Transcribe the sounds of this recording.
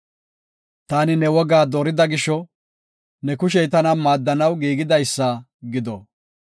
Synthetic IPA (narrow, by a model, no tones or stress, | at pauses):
t̪aːnɪnɛwɔɡaːd̪oːɾɪd̪ɐɡɪʃɔ | nɛkʊʃ̬ɛjt̪ɐnɐmaːd̪ːɐnɐwɡiːɡɪd̪ɐjsːɐ | ɡɪd̪ɔ